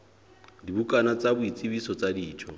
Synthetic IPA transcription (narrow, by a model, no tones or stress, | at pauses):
dibukʼanat͡sʼabʊit͡sʼibisɔt͡sʼadiːt͡ʃʰɔ